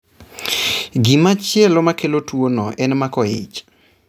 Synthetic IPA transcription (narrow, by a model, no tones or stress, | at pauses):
ɡimat͡ʃjɛlomakelotwonoʔɛnmakɔjɪ̰t͡ʃ